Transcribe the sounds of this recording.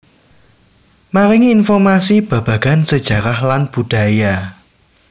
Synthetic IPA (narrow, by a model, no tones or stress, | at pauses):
maɾɪŋinfɔrmasib̥ä̤b̥ä̤ɡ̥a̤nsəd̥ʒ̥a̤ɾahlanb̥ṳd̥a̤ja